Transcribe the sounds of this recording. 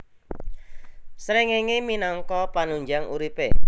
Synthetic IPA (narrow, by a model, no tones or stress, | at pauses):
sɾeŋeŋeminɔŋkɔpanuɲd͡ʒaŋṵɾipe